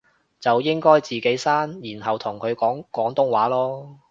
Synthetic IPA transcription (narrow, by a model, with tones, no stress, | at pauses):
t͡sɐ˨wjɪ˥ŋkɔː˥jt͡siː˨ke˨˥jsaː˥njiː˨˩nɦɐ˨wt̪ʰʊ˨˩ŋkʰɵ˨˧ɥkɔː˨˥ŋkɔː˨˥ŋt̪ʊ˥ŋwaː˨˥lɔː˥